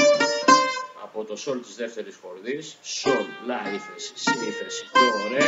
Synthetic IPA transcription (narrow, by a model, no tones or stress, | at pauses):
ɐ̰po̞t̪o̞so̞lt̪izðe̞ft̪e̞ɾisxo̞ɾðisːollɐɾiθessiiθesoɾe